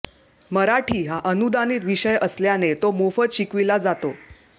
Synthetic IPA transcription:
məɾaʈʰiːɦaʔənud̪aniːt̪ʋiɕəjəsljanet̪omofət̪ɕikʋilad͡zat̪o

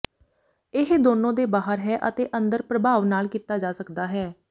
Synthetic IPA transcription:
ɪɦd̪oːnõːd̪eːbaːɦəɾɦɛːʔət̪eːʔə̃nd̪əɾpɾəbʱaːʋnaːlkiːt̪aːd͡ʒaːsəkd̪aːɦɛː

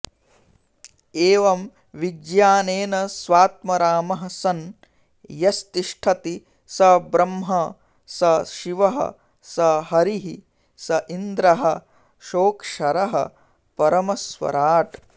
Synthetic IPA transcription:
eːʋɐm | ʋiɡjaːneːnɐsʋaːt̪̚mɐɾaːmɐɦɐ̆sɐn | jɐst̪iʂʈʰɐt̪i | sɐbɾɐmɦɐ | sɐʃiʋɐɦɐ̰ | sɐɦɐɾiɦi | sɐʔind̪ɾɐɦɐ | ʃoːkʂɐɾɐɦɐ̰ | pɐɾɐmɐsʋɐ̰ɾaːʈ

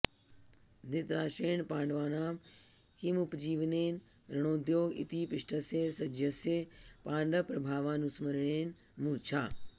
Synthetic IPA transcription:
d̪ɪt̪ɾaːʃeːnpãːɳɖʋaːnaːm | kimupd͡ʑiːʋneːn | ɾɐɽ̃õːd̪joːɡɪ̰t̪iːpɪʂʈʰəseːsɐd͡ʒjəsepãːɳɖəpɾɐbʱaːʋaːnusmɐɾɳeːn | mũːt͡ʃʰaː

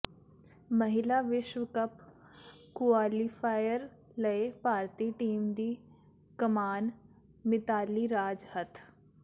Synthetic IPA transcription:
mɐɦɪlaʋɪʃwəkəp | kʊaːlifʰaːjəɾ | lɐepaːɾt̪iːʈiːmd̪iː | kəmaːn | mɪt̪aːliɾaːd͡ʒhɐt̪ʰ

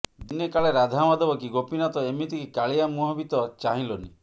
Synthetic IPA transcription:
d̪inekaɭeɾad̪ʱamɔd̪ɔbɔk̬iɡopinat̪ɔemit̪ikikaɭijamuɦɔbit̪ɔt͡ʃaɦĩloni

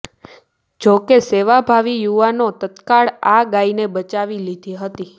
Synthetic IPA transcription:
d͡ʒokeseʋabʱaʋijuʋanot̪ət̪kaɭaɡainebət͡ʃaʋilid̪ʱeɦət̪i

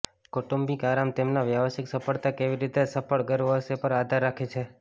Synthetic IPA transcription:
koʈumbikaɾamt̪emnaʋjaʋəʃiksəpʰəɭt̪akeʋiɾit̪esəpəɭɡəɾʋəsepəɾad̪ʱaɾːakʰet͡ʃʰe

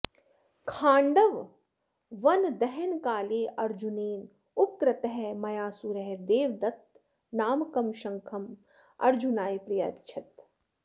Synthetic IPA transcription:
kʰaːɳɖɐʋ | ʋɐnd̪ɛɦɛnkaːleːʔɐɾd͡ʒuneːn | ʊkɾɐt̪ɐɦɛmɐjaːsuɾɐɦd̪eːʋd̪ɐt̪ | naːmkɐmʃɐŋkʰɐm | ɐ̰ɾd͡ʒunaːjpɾijɐ̰tt͡ʃʰɐt̪

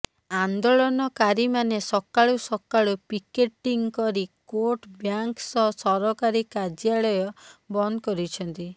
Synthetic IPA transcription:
and̪oɭɔnɔkaɾimanesɔkaɭusɔkaɭupikeʈːiŋkɔɾikoɾʈbjaŋksɔsɔɾɔkaɾikad͡ʒjaɭɔjɔbɔnd̪ɔkɔɾit͡ʃʰɔnt̪i

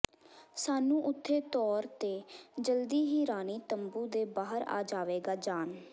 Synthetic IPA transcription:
saːnũːʔʊt̪ʰːeːt̪ɔːɾt̪eːd͡ʒəld̪iːɦiːɾaːniːt̪əmbuːd̪eːbaːɦəɾa̰ːd͡ʒaːʋeːɡaːd͡ʒaːn

